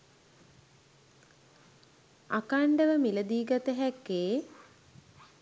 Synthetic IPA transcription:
a̰kaɳɖəʋəmiləd̪iːɡat̪əɦɛkːeː

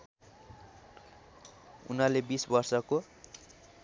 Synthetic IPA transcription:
ṵnalebisbʌrsʌko

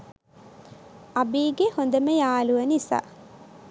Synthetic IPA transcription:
ɐbiːɡehond̪emejaːluʋɐnisa̰

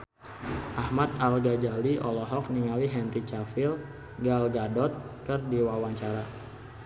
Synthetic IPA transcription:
ʔahmat̪alɡad͡ʒaliʔɔlɔɦɔk̚niŋaliɦɛnrit͡ʃafil | ɡalɡadɔt̪̚kərdiwawaɲt͡ʃaɾa

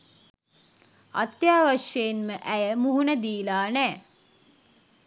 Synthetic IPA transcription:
a̰t̪jaːʋaʃjejenməʔæjəmuɦunəd̪iːlaːnɛː

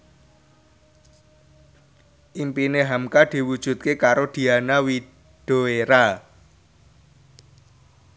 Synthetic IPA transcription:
ʔimpineɦamkad̪̥i̤wud̥ʒ̥ṳt̪̚kekaɾod̪̥i̤anawi | d̪̥o̤eɾa

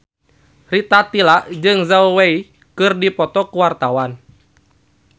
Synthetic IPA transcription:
rit̪at̪ilaʔd͡ʒɨŋzauwei | kɨrdipɔt̪ɔkuwart̪awan

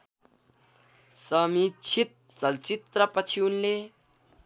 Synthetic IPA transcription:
sʌmit͡sʰit̪̚ | t͡sʌlt͡sit̪rʌpʌt͡sʰiunle

